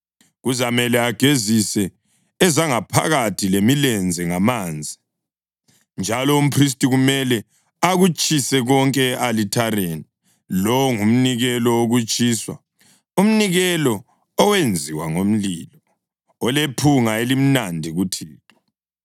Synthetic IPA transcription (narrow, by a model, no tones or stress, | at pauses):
ɣuzamɛlɛaɡ̥ʱezisɛː | zaŋapʰa̰ɣatʰilemilɛnd͡zʱɛŋamaːnd͡zʱi | nd͡ʒʱalɔum̩pʰris̬tʼiɣumɛlɛ | aɣut͡ʃʼisɛɣɔŋkʼɛalitʰaɾeni | lɔwŋum̩niɣɛlɔoɣut͡ʃʼiːswa̰ | um̩niɣɛlɔ | ɔwend͡zʱiwaŋom̩liːlɔː | lepʰuŋaelim̩nandʱiɣutʰiːtʰʼɔ̥